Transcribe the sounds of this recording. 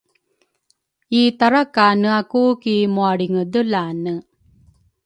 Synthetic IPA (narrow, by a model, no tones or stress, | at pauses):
iːt̪ɐɾɐkanɯakuːkimoaɽiŋɯd̪ɨlaːnɯ